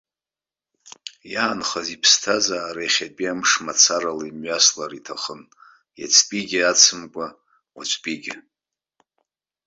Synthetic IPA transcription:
jaːnχazipʰstʰazaːɾajχʲapʼiamʂmat͡sʰaɾalaimɥaslaɾitʰaχən | ja̰t͡sʰʼpʼiɡʲɪat͡sʰɨmkʷʼa | wat͡ʃʷʼpʼiɡʲɪ

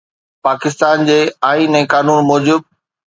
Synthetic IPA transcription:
paːkɪs̬t̪aːnd͡ʑeːaːiːnɛ̃ːkaːnuːnmɔːd͡ʑɪb̚

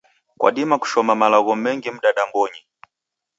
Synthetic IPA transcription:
kwa̰ɗimaku̥ʃɔmamalaɣɔmɛŋɡim̩ɗaɗambɔɲi

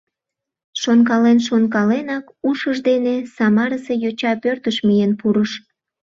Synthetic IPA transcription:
ʃonk̬ɑlenʃ̬onkɑlenɑk | uʃəʒd̪enesɑmɑɾəsejot͡ɕɑpørt̪əʃmijenpuɾəʃ

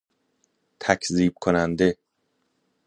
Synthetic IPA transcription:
t̪ʰæcʰziːb̥̚kʰonænd̪e̞

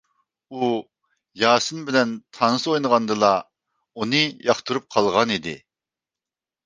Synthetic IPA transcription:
u | jɑːsɨnbɪlɛnt̪ʰɑnɨsojnəʁɑnd̪ɨlˠɑ | unɨjɑχt̪ʰuɾup̚qʰɑlˠʁɑnid̪ɪ̰

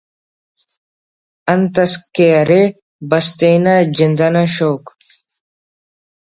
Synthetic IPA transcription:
ɐnt̪ɐskeɐɾe | bɐst̪enɐd͡ʒind̪ɐnɐʃoːk

